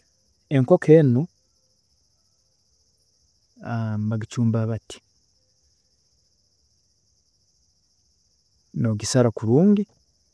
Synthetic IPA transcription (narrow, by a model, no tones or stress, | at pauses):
eŋko̞kʰeːnu | ambaɡit͡ʃuːmbaβati̥ | noɡisaɾakuɾuːɲɡi